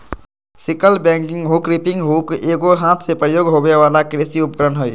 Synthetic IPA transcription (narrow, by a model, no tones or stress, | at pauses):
sɪkəlbɛ̃ŋkɪŋɡɦukɾipɪ̃ŋɡɦukeɡoɦãt̪ʰsepɾəjoːɡɦobeʋaːlakɾesiʊp̚kəɾənɦoj